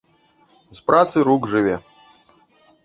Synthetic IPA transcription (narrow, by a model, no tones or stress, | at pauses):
zpɾʔat̪sɨɾuɡʐɨvʲɛ